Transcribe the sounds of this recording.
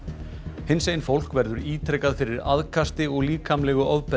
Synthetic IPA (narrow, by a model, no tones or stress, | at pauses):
hɪnsejnfowl̥kvɛɾðʏɾiːt̪ʰɾɛjkaðfɪɾɪɾa̰ðkʰast̪ɪɔɣliːkʰamlɛɣʏʔɔvpɛ